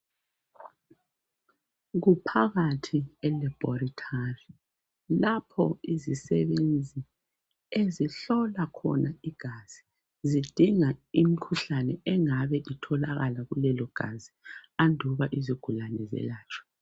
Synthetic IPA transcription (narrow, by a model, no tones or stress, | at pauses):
ɣupʰaɣatʰiɛlib̥ɔritʰari | lapʰɔizisɛβend͡zʱi | eziɬɔlakʰɔ̰naiɡ̥ʱaz̥i | zid̥ʱiŋaimikʰuɬanɛɛŋaβɛʔitʰɔlaɣalaɣulɛlɔɡ̥ʱa̰ziandʱuβaʔiziɡ̥ʱulanɛ̰zɛ̰laːt͡ʃʰʼɔ̥